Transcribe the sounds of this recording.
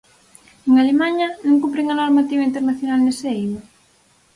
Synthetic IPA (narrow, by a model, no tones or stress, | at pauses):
eŋalemaɲɐnõŋkumpɾeŋanoɾmat̪iβaint̪eɾnaθjonalnesejma